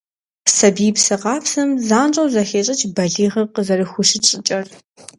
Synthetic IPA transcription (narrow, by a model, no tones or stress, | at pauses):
sɐbiːpsɨqɑːpsɐmzaːnt͡ʃʼɐwzɐxeːɕʼɐt͡ʃʰbɐɮiːʁɐqəzɐrɨxʷʊɕɪt͡ʃʼɪt͡ʃʼɐr